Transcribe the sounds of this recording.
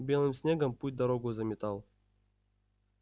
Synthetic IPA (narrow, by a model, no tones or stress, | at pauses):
bʲelˠɨmsʲnʲeɡəmput̚ʲd̪aɾoɡuzɐmʲɪt̪ɑlˠ